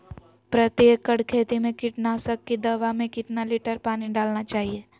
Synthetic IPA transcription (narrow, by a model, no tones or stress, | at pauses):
pɾɐt̪jeːkːəɽkʰeːt̪imẽkɪʈnaːsəkːid̪ɐʋamẽkɪt̪nalɪʈəɾpaːniɖaːlnat͡ʃaːɦieː